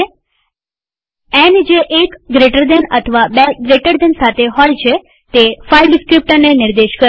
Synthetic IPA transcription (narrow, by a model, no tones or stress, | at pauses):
ɛnd͡ʒeʔekɡɾeʈəɾd̪ɛnə̰t̪ʰəʋabeɡɾeʈəɾd̪ɛnsat̪ʰeɦɔjt͡ʃʰe | t̪efajɖɪskɾip̚ʈəɾnenɪɾd̪eʃkə